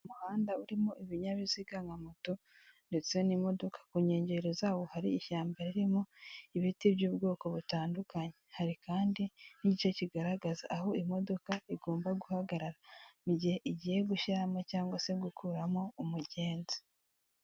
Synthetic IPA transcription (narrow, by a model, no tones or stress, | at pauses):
umuhaːndauɾimoʔiβiɲaβiziɡaŋɡamuto | nde̞t͡sjo̞nimo̞do̞kḁkuɲe̞ːɲɟe̞ɾozaːβo̞haɾiːʃaːmbaɾiɾimoiβitibjuːbɡo̞ːko̞βutaːndukaɲe̞haɾikaːndiniɟit͡ʃo̞ciɡaɾaɡazaʔaɦo̞imo̞do̞kaiɡo̞ːmbaɡuhaɡaɾaɾaniɟiheʔiɟije̞ɡuʃiɾamocaːŋɡwase̞ɡukʰuːɾamo̞umuɟe̞ːnzi̥